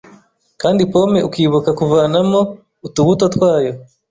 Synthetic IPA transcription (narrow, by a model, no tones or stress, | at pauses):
kaːndipo̞me̞ʔukiːβukakuvaːnamo̞ | utuβuto̞twaːjo̞